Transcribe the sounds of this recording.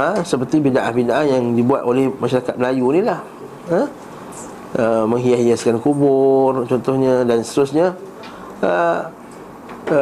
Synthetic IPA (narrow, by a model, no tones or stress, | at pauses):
əsəpərt̪ibidaʔahbidaʔanjaŋdibuat̪olɛhmaʃaɾakat̪̚məlajunilah | ə | əmə̃ŋɦiahiaskankubʊrt͡ʃɔnt̪ɔhɲə̃danst̪əɾʊsɲa | ə